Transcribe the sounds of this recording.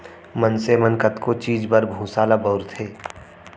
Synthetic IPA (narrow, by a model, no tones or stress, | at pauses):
mənsemənkət̪kot͡ʃiːd͡ʒbəɾbʱũːsaːlabəːɾt̪ʰeː